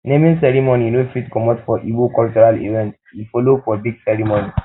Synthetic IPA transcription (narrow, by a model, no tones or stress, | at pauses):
nẽmĩnsɛɾimoninofitkɔmɔ̃dfɔʔibokɔlt͡ʃɔɾalḭvɛ̃nt | ifɔlodfɔbiɡsɛɹimoni